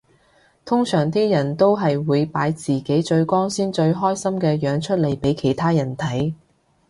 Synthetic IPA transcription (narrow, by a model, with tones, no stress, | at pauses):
t̪ʰʊ˥ŋsœː˨˩ŋt̪iː˥jɐ˨˩nt̪o˥wɦɐ˨jwuː˨˧jpaː˨˥jt͡siː˨˩ke˨˥jt͡ʃɵ˧ɥkɔː˥ŋsiː˥nt͡ʃɵ˧ɥɦɔː˥jsɐ˥mkɛː˧jœː˨˧ŋt͡ʃʰɵ˥t̚le˨˩jpe˨˥jkʰe˨˩jt̪ʰaː˥jɐ˨˩nt̪ʰɐ˨˥j